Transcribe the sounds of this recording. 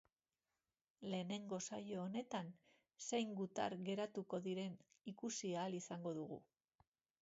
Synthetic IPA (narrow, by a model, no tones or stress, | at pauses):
le̞ːne̞ŋɡo̞sajo̞ːne̞t̪an | se̞jŋɡut̪a̰ɾɣe̞ɾat̪uko̞ðiɾe̞nikusiaːlisaŋɡo̞ðuɣṵ